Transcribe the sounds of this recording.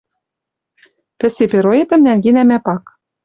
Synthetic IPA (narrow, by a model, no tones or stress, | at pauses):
pɘ̆sepeɾoet̪ɘ̆mnæŋɡenæmæpɑk